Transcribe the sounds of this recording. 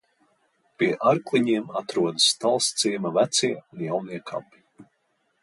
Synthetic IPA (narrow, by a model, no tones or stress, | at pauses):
pʲiɛʔaɾklˠiɲiɛmat̪ɾuɔd̪ɨst̪alˠst̪siːmavæt̪siɛunjawniɛkʰa̰pi̥